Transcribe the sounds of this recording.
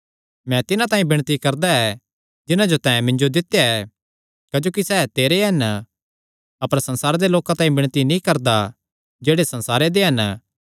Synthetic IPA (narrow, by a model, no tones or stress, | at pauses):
mɛ̃t̪ɪnãt̪ãːĩbɪɽ̃t̪ikɐɾd̪aɛ | d͡ʒɪnãd͡ʒot̪ãːɛ̃mɪ̃ɲd͡ʒod̪ɪt̪ːjaɛ | kɐd͡ʒoːkisɛːt̪eːɾeɦɐn | ɐpəɾsɐ̃nsaːɾed̪eloːkãt̪ãːĩbɪɽ̃t̪inĩkɐɾd̪a | d͡ʒeːɽesɐ̃nsaːɾed̪eɦɐn